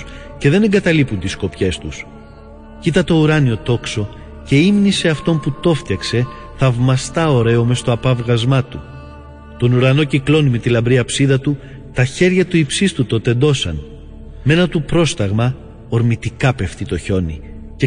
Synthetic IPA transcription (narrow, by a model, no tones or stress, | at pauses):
ce̞ðe̞ne̞ŋɡɐt̪ɐlipunt̪isko̞pçe̞st̪us | cit̪ɐt̪o̞uɾɐnio̞t̪o̞kso̞ | ce̞imnise̞ɐft̪o̞mput̪o̞ft̪çɐkse̞ | θɐvmɐst̪ɐo̞ɾe̞o̞me̞st̪o̞ɐpɐvɣɐzmɐt̪u | t̪o̞nuɾɐno̞ciklo̞nime̞t̪ilɐmbɾiɐpsiðɐt̪u | t̪ɐçe̞ɾʝɐt̪uipsist̪ut̪o̞t̪e̞nd̪o̞sɐn | me̞nɐt̪upɾo̞st̪ɐɣmɐ | o̞ɾmit̪ikɐpe̞ft̪it̪o̞ço̞nḭ | ce